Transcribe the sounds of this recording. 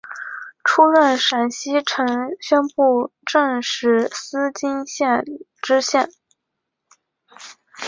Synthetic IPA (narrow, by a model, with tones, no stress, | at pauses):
ʈ͡ʂʰu˥ɻə˥˩nʂa˨˩nɕi˥ʈ͡ʂʰɤ˧˥ŋɕɥɛ˥npu˥˧ʈ͡ʂə˥˧ŋʂɻ̩˥˩sɹ̩˥t͡ɕi˥ŋɕjɛ˥˩n | ʈ͡ʂɻ̩˥ɕjɛ˥˩n